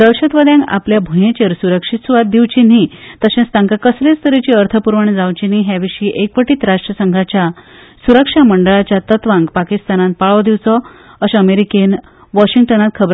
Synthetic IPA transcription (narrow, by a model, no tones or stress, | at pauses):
d̪əwɕət̪ʋəd̪jãŋɡa̰pljabʱujẽt͡ɕeɾsuɾəkʂit̪suʋat̪̚d̪iʋt͡ɕiniːt̪əɕẽst̪ãŋkakəslest̪ʰəɾet͡ɕiːəɾt̪ʰəpuɾʋəɳd͡zawt͡ɕiniɦjaʋiɕiːʔekʋəʈiːt̪ɾaʂʈɾəsəŋɡʱat͡ɕja | suɾəkʂaməɳɖəɭat͡ɕjat̪ət̪ʋãŋɡpakist̪anãnt̪̚paɭɔd̪iʋt͡sɔ | əɕəmeɾiken | ʋɔɕiŋɡ̚ʈənãt̪̚kʰəbɾ